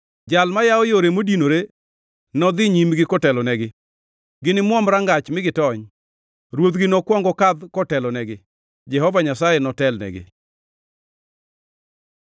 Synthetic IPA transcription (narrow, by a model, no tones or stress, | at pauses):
d͡ʒalmajaɔjoɾemodinoɾe | nɔd̪ɪɲimɡɪkɔtɛlɔnɛɡɪ | ɡɪnɪmwɔmɾaŋɡat͡ʃmɪɡɪtɔɲ | ɾwot̪ɡɪnɔkwɔŋɡɔkad̪kɔtɛlɔnɛɡɪ | d͡ʒɛhɔvaɲasajɛnɔtɛlnɛ̰ɡɪ̰